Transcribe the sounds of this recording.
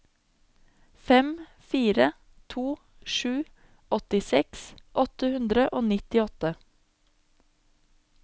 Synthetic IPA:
fɛm | fiːɾə | t̪ʰuː | ʃʉː | ɔt̪ɪsɛksʔɔt̪əhʉnd̪ɾəʔoːnɪt̪ɪɔt̪ə

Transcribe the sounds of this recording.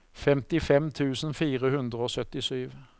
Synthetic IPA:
fɛmt̪ɪfɛmt̪ʰʉːsn̩fiːʁəhʉnd̪ʁəoːsœt̪ɪsyːʋ

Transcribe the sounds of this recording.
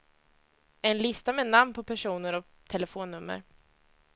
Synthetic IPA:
ɛnlɪst̪amɛnamnpʰɔpʰæʂuːnəɾɔ | t̪ʰɛlɛfoːnːɵmːə̰ɾ

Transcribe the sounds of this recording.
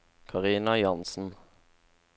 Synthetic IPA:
kʰɑʁiːnɑjɑnsn̩

